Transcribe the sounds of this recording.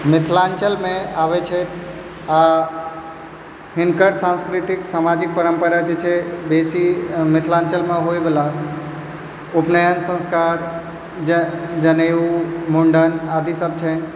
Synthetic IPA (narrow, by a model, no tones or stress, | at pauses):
mɪt̪ʰlant͡ʃəlmeaʋɛt͡ʃʰət̪ʰ | a | ɦinkəɾsãnskɾit̪iksamad͡ʒik̚pəɾəmpəɾad͡ʒet͡ʃʰɛbesimɪt̪ʰlãnt͡ʃəlmeɦojbela | upnəjənsə̃nskaɾ | d͡ʒəneumuɳɖənad̪ʱisəb̚t͡ʃʰən